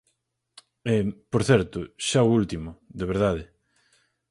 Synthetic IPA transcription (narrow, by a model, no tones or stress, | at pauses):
ɛpoɾθɛɾt̪ʊʃaoult̪imʊðeβ̞eɾðaðɪ